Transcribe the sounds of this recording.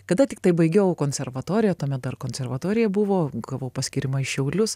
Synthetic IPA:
kɐd̪ɐt̪ʲɪk̚t̪ɐɪbɐɪɡʲɛʊkoːnʲsʲɛɾʋɐt̪oːɾʲɪjɛt̪oːmʲɛt̪̚d̪ɐrkoːnʲsʲɛrʋɐt̪oːɾʲɪjɛbʊʋoːɡɐʋoːʊpɐsʲkʲɪɾʲɪmɐɪʃʲɛʊlʲʊs

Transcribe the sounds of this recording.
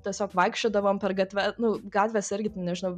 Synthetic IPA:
t̪ʲiɛsʲoːkʋɐɪkʃʲt͡ʃʲoːd̪ɐʋoːmpʲɛɾɡɐt̪ʲʋʲɛnʊɡɑːt̪ʲʋʲesɪɾʲɡʲɪt̪ʲɪnʲɛʒʲɪnɐʊ

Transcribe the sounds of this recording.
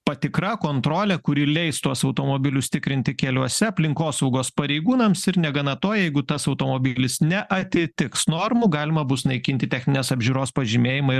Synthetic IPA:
pɐt̪ʲɪkɾɐkoːnt̪ɾoːlʲɛkʊɾʲɪlʲɛɪst̪uɔsɐʊt̪oːmoːbʲɪlʲʊsʲt̪ʲɪkɾʲɪnʲt̪ʲɪkʲɛlʲuɔsʲɛɐpʲlʲɪŋkoːsɐʊɡoːspɐɾʲɛɪɡuːnɐmsɪɾnʲɛɡɐnɐt̪oːjɛjɛɪɡʊt̪ɐsɐʊt̪oːmoːbʲɪlʲɪsnʲɛʔɐt̪ʲɪt̪ʲɪksnoːɾmuɡɑːlʲɪmɐbʊsnɐɪkʲɪnʲt̪ʲɪt̪ʲɛxʲnʲɪnʲeːsɐbʲʒʲuɾoːspɐʒʲimʲeːjɪmɐɪ

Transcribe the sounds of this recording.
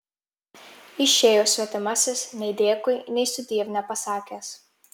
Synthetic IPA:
ɪʃʲeːjoːsʲʋʲɛt̪ʲɛmɑsʲɪsnʲɛɪd̪ʲeɛkʊjnʲɛɪsʊd̪ʲiɛʋʲnʲɛpɐsɑːkʲɛːs

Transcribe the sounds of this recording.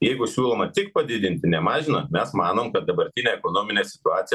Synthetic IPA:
jɛɪɡʊsʲuːlˠoːmɐt̪ʲɪkpɐd̪ʲɪd̪ʲɪnʲt̪ʲɪnʲɛmɑːʒʲɪnɐmʲɛsmɑːnoːmkɐt̪̚d̪ɐbɐɾʲt̪ʲɪnʲɛːɛkoːnoːmʲɪnʲeːsʲɪ̥t̪ʊɑːt̪sʲɪj

